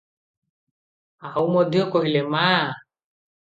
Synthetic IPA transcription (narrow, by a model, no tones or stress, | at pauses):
aũmɔd̪ʱjɔkɔɦilema